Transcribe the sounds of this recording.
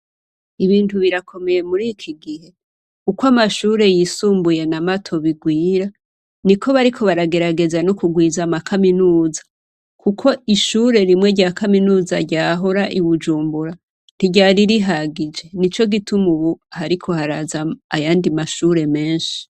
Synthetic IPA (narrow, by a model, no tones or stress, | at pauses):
iβiːntuβiɾakʰo̞me̞je̞muɾikʰiɡihe̞ | kukwamaʃuːɾe̞jisuːmbuje̞namatʰo̞βiɡwiːɾa | nikʰo̞βaɾikʰo̞βaɾaɡe̞ɾaɡe̞zanokuɡwiːzamakʰaminuːzḁ | kʰukʰo̞iʃuɾe̞ɾimŋe̞ɟaːkaminuːzaɟaːɦoɾaʔiβud͡ʒuːmbuɾa | n̥iɟaɾiɾiɦaɡid͡ʒe̞nit͡ʃo̞ɡitumuβuhaɾikʰo̞haɾazaajaːndimaʃuɾe̞me̞ːnʃi̥